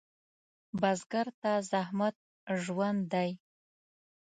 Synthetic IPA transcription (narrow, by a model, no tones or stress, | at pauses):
bazɡaɾt̪azahmat̪̚ | ʒwand̪ːaj